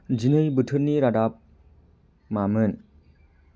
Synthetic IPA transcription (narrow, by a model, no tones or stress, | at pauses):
d͡ʒinɯjbɯtʰɯɾniɾadap̚ | mamɯn